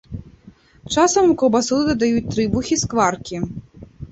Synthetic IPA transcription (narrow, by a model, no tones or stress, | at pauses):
t͡ʂasɐmukɔlˠbasulɨd̪ɐd̪ajut͡sʲt̪ɾɨbuxʲiskvarkʲi